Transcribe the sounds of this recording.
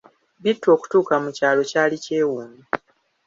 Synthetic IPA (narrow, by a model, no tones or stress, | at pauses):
bitːo̞ːku̥tuːkamucaːlo̞caːlice̞ːwuːmi